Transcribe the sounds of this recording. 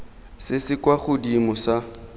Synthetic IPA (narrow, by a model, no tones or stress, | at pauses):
sɪsɪkwaχʊdimʊsa